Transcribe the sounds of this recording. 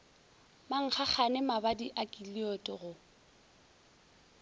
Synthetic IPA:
maŋ̩χaχanɪmabadiʔakʼiliotʼɪɣʊ

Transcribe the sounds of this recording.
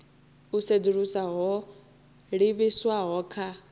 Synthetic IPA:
used͡ziɺusaɦɔ | ɺiβiswaɦɔːkʰa

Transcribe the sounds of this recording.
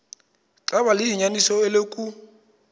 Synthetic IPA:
ǁaβalɪɦiɲanisɔɪlekʼu

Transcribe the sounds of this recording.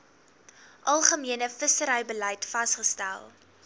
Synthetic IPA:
ʔɐlˠχəmiənəfəsəɾəjbəlɛjtfɐstχəstæ̰lˠ

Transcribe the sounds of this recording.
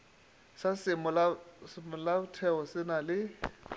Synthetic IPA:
sasɪmɔlamɔlabʊtʰɛɔsɪnalɪ

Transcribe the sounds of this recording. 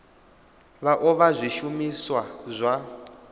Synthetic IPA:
βaʔɔβazʷiʃumiswazʷa

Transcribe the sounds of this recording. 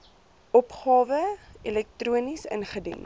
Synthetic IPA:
ʔɔpχɑːvəilɛk̚truənisə̰nχədḭn

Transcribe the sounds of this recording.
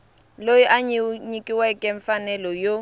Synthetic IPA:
loiʔaɲiɲikʼiwɛkʼɛɱ̩fanɛlɔjo

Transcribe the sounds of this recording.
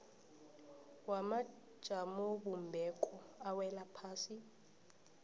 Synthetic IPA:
wamḁ | ʒ̥ʱamɔɓumbʱɛkʼɔawɛlapʰaːsi

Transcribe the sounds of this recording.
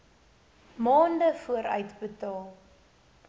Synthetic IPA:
mɑːndəfuəɾœ̰ɥtbətɑːlˠ

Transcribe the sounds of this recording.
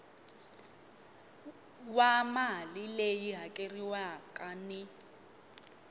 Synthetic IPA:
wamalilejiɦakʼeriwakʼanɪ

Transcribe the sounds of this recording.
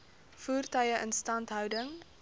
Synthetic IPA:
fuːrtœɥəʔənstɐntɦœwdəŋ

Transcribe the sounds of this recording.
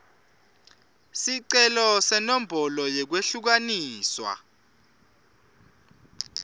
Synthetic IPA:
siǀɛlɔsɛnom̩bʱɔlɔjɛk̬weɬuk̬aniːswa̰

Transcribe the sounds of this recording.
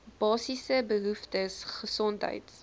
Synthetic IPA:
b̥ɑːsisəbəɦuftəsχəsɔntɦə̰jt

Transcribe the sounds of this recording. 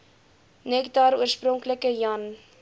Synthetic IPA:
nɛkdɑɾuəsprɔŋkləkəjɐn

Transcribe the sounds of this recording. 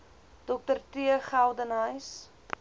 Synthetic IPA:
d̥ɔk̚tərtiəχælˠdənəjs

